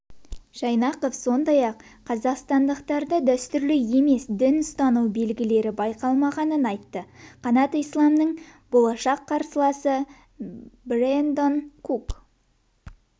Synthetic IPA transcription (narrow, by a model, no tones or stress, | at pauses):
ʒ̥ɑjnɑqofso̞nd̪ɑjɑqʰːɑzɑqst̪ɑnd̪əqt̪ɑɾd̪əd̪œst̪ʏɾlɪe̞me̞sd̪ɪnʊst̪ɑnuwbe̞lɡʲɪle̞ɾɪbɑjqɑlˠmɑʁɑnənɑjt̪ːəqʰɑnɑt̪ijslˠɑmnəɴbolˠɑʃɑqʰːɑɾsəlˠɑsə | brend̪onkʰuk